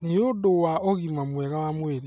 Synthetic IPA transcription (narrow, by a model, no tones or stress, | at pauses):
niodowaɔɣimamwɛɣawamweɾe